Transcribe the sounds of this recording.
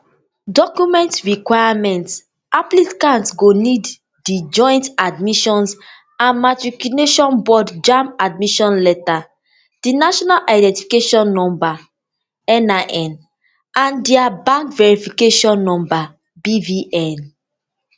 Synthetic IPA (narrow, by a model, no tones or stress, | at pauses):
dɔkjumɛ̃ntɹikwajamɛ̃nt | aplikãntɡonid | did͡ʒɔ̃j̃ntadmiʃɔ̃ns | ãnmatɹikuneʃɔ̃nbɔdd͡ʒãmad̚miʃɔ̃nleta | d̥inaʃɔnalʔaɪdɛ̃ntifi̥keʃɔ̃nːɔ̃mba | ɛnaʔɛn | ãndiabãŋkvɛɹifikeʃɔ̃nːɔ̃mba | biviʔɛ̃n